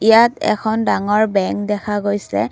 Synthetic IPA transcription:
ijatɛ̰kʰɔndaŋɔɹbɛŋk̚dɛkʰaɡojsɛ

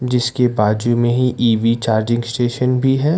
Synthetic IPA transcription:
d͡ʒɪskebaːd͡ʒumẽɦiʔiːʋit͡ʃaːɾd͡ʒɪ̃ŋɡsʈeːʃənbʱiɦɛː

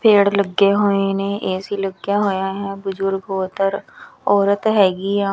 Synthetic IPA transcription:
pʰeːɽləɡːeɦoːenẽːʔeːsiləɡjaɦoːjaɦɛːbʊzʊɾɡoːt̪əɾɔːɾət̪ɦɛːɡiːaː

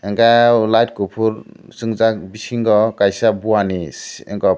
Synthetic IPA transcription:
ɛŋkalajtkupʰuɾsɯŋzakbisiŋɡɔkajsabuwanisɛ̰ŋkɔ

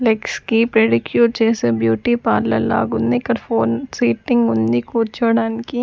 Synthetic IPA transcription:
lekskipɾeːɽɪkjuːɾt͡ʃeːsebjuːʈipaːɾlɐ̰la̰ːɡʊnd̪ikɐɾfoːnsiːʈɪ̃ŋɡʊnd̪ikuːt͡ʃoɽaːnki

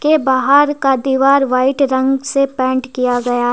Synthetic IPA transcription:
kebaːɦəɾkad̪iːʋaːɾʋaːɪʈɾɐ̃ŋɡsepɛ̃ːɳʈkijaɡɐjaɦɛ

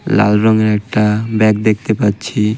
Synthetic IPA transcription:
la̰lɾɔŋeɾɛk̚ʈabɛkd̪ek̚ʰt̪epatːɕʰi

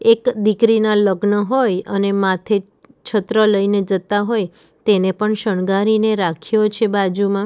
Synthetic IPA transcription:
ekd̪ikɾinaləɡnəɦojənemat̪ʰe | t͡ʃʰət̪ɾələined͡ʒət̪aɦoj | t̪enepəɳʃəɳɡaɾineɾakʰjot͡ʃʰebad͡ʒumã

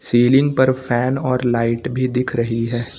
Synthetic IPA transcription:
siːlɪ̃ŋɡ̚pɐɾfʰɛːnɔːɾlaːɪʈbʱid̪ɪkʰɾɐɦiɦɛː

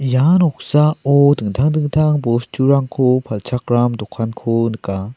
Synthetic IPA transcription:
janɔk̚saɔdɯŋtʰaŋdɯŋtʰaŋbɔstʰuɾaŋkʰopʰalt͡ʃʰak̚ɾamdɔkʰankʰonɯka

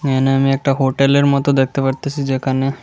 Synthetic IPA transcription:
eneamiɛk̚ʈaɦoʈeleɾmɔt̪od̪ek̚ʰt̪epəɾt̪əsid͡ʑekane

